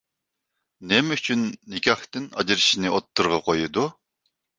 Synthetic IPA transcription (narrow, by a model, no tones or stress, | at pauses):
nɛmyt͡ʃʰynːɪkʲɑht̪ɪnɑ̰d͡ʒɨɾɨʃinɨot̪ːɨɾʁɑqʰojɨd̪u